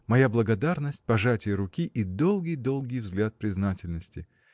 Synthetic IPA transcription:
mɐjablˠəɡɐd̪arnəsʲt̚ʲpɐʐatʲɪjəɾʊkʲiʔid̪o̞lˠɡʲɪjd̪o̞lˠɡʲɪjvzɡlʲat̪̚pɾʲɪznatʲɪlʲnəsʲtʲɪ

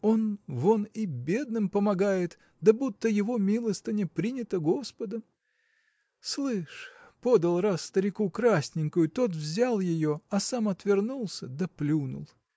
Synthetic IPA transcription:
o̞nvo̞nɪbʲe̞d̪nɨmpəmɐɡajɪt̪ | d̪ɐbut̪ːəjɪvo̞mʲilˠəst̪ənʲɪpɾʲinʲɪt̪əɡo̞spəd̪əm | slˠɨʂpo̞d̪əlˠrasːt̪əɾʲɪkukɾasʲnʲɪŋkʊjʊt̪o̞t̪̬vzʲalˠjɪjo̞ɐsamɐt̪vʲɪrnulˠsʲəd̪əplʲunʊ̰lˠ

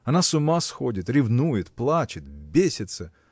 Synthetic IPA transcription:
ɐnasʊmasxodʲɪt̪ɾʲɪvnujɪt̪plˠat͡ɕɪt̪vʲbʲesʲɪt̪sə

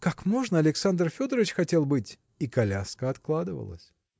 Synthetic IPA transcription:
kakmo̞ʐnəɐlʲɪksand̪rfʲo̞d̪əɾəvʲɪt͡ɕxɐtʲe̞lˠbɨtʲ | ikɐlʲaskəɐt̪klˠad̪ɨvə̰lˠə̰sʲ

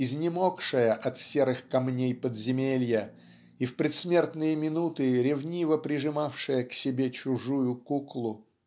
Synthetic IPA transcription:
ɪzʲnʲɪmokʂɨjəʔɐt̪sʲeɾɨxkɐmnʲejpəd̪zʲɪmʲelʲjə | ifpɾʲɪt̪smʲe̞rt̪nɨjəmʲɪnut̪ɨɾʲɪvnʲivəpɾʲɪʐɨmafʂɨjəksʲɪbʲet͡ɕʊʐujʊkuklˠʊ

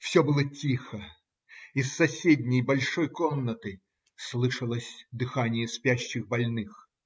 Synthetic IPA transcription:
fsʲobɨlˠətʲixə | isːɐsʲedʲnʲɪjbɐlʲʂojkomnət̪ɨ | slˠɨʂəlˠəsʲd̪ɨxanʲɪjəspʲæɕːɪxbɐlʲnɨx

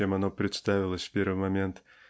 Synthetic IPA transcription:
emɐnopɾʲɪt̪st̪avʲɪlˠəsʲfpʲe̞rvɨjmɐmʲent̪

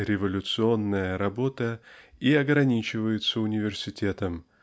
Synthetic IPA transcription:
ɾʲɪvɐlʲʊt̪sɨo̞nːəjəɾɐbo̞t̪əiɐɡɾɐnʲit͡ɕɪvəjɪt̪səʊnʲɪvʲɪrsʲɪtʲe̞t̪əm

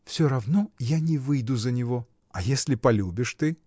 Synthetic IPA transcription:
fsʲoɾɐvnɔjanʲɪvɨjd̪uzɐnʲɪvo | ɐjesʲlʲɪpɐlʲubʲɪʂt̪ɨ

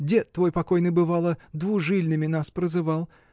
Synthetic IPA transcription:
ɡdʲet̪ːvo̞jpɐkojnɨjbɨvalˠəd̪vuʐɨlʲnɨmʲɪnaspɾəzɨvalˠ

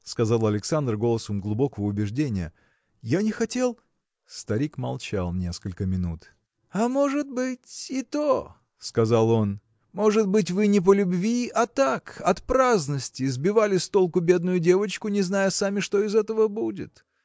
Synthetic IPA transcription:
skɐzalˠɐlʲɪksand̪rɡo̞lˠəsəmɡlˠʊbo̞kəvəʊbʲɪʐdʲenʲɪjə̰ | janʲɪxɐtʲe̞lˠ | st̪ɐɾʲikmɐ̰lˠt͡ɕa̰lˠnʲe̞skəlʲkəmʲɪnṵt̪ | amo̞ʐɨt̪̚bɨtʲɪt̪o | skɐzalˠo̞n | mo̞ʐɨt̪̚bɨt̬ʲvɨnʲɪp̬əlʲʊbvʲiɐt̪akɐt̪pɾaznəsʲtʲɪːzbʲɪvalʲɪst̪o̞lˠkʊbʲe̞d̪̚nʊjʊdʲe̞vət͡ɕkʊnʲɪznajəsamʲɪʂt̪o̞ɪzɛt̪əvəbudʲɪ̰t̪

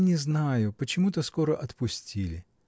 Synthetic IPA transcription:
nʲɪznajʊpət͡ɕɪmut̪əsko̞ɾəʔɐt̪pʊsʲtʲilʲɪ

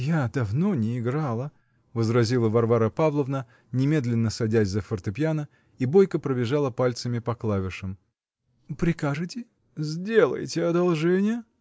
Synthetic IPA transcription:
jad̪ɐvno̞nʲɪːɡɾalˠə | vəzɾɐzʲilˠəvɐrvaɾəpavlˠəvnə | nʲɪmʲe̞d̪lʲɪnːəsɐdʲæzʲzəfərt̪ɨpʲjanə | ibojkəpɾəbʲɪʐalˠəpalʲt̪səmʲɪpɐklˠavʲɪʂɨm | pɾʲɪkaʐɨtʲɪ | zʲdʲe̞lˠə̰jtʲɪɐd̪ɐlˠʐɛnʲɪjə

